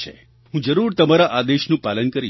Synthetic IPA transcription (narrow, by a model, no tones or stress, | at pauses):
ḛ | ɦũd͡ʒəɾuɾt̪əmaɾaʔad̪eʃnũpalənkəɾi